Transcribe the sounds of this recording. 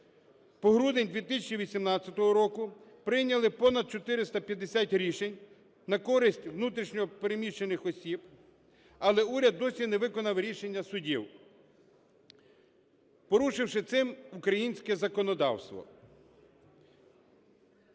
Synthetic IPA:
pɔɦɾud̪enʲd̪ʋʲit̪ɪsʲɐt͡ʃiʋʲisʲimnɑt͡sʲːɐt̪ɔɦɔɾɔkʊ | pɾɪjnʲɐlˠɪpɔnɐd̪̚t͡ʃɔt̪ɪɾɪst̪ɐpʲjɐd̪esʲatʲɾʲiʃenʲ | nɐkɔɾɪsʲtʲʋnut̪ɾʲiʃnʲɔɔpeɾemʲiʃenɪxɔsʲib | ɐlˠɛuɾʲɐd̪ːɔsʲinɛʋɪkɔnɐwɾʲiʃenʲːɐsʊdʲiw | pɔɾuʃɪwʃɪt̪sɪmukɾɐjinʲsʲkɛzɐkɔnɔd̪ɑ̰wst̪ʋɔ̰

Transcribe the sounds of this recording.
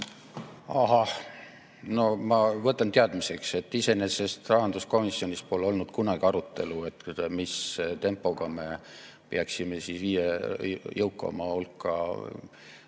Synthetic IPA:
ɑɦɑh | no̞mɑvɤt̪ːˑɑnt̪eɑd̪̥mise̞kse̞t̪ːˑise̞nese̞st̪rɑɦɑnd̪̥usko̞misːio̞nʲispo̞leo̞lnud̪̥kunɑɡ̥iɑɾut̪ːˑe̞lue̞t̪mist̪e̞mpˑːo̞ɡ̥ɑme̞ | peɑksimesisiːjejɤwkːˑɑ̰mɑulkːˑɑ̰

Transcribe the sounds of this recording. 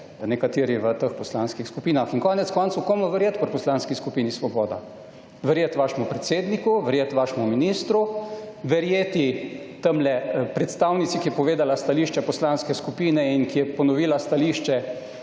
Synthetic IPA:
nɛkat̪iːɾiʋət̪əxpɔslanskixskupiːnaxiŋkɔːnɛt̪skɔːnt̪sukomɔʋɛɾjeːt̪pəɾpɔslaːnskiskupiːnisʋɔbɔːd̪a̰ | ʋəɾjet̪ʋaːʃɛmupɾɛt̪seːd̪nikuʋəɾjet̪ʋaːʃɛmuminiːst̪ɾu | ʋɛɾjeːt̪i | t̪əmlɛpɾɛt̪st̪awnit̪sikijɛpɔʋeːd̪alast̪aliːʃt͡ʃɛpɔslaːnskɛskupiːnɛinkijɛpɔnɔʋiːlast̪aliːʃt͡ʃɛ

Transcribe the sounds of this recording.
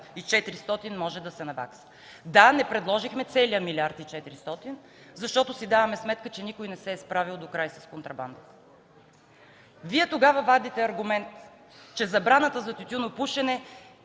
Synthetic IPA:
it͡ʃɛt̪iɾist̪ɔt̪inmɔʒɛd̪ɐsɛnɐva̰ksə̥ | d̪anɛpɾɛd̪lˠɔʒixmɛt̪sɛliəmilʲiaɾt̪it͡ʃɛt̪iɾist̪ɔt̪in | zɐʃt̪ɔt̪ʊsid̪avɐmɛsmɛt̪kət͡ʃɛnikojnɛsɛːspɾavilˠd̪okɾajsɐskont̪ɾɐba̰nd̪ət̪ | viɛt̪oɡavɐvad̪it̪ɛɐɾɡʊmɛnt̪ | t͡ʃɛzɐbɾanət̪əzɐt̪ʲut̪ʲunopuʃɛnɛ

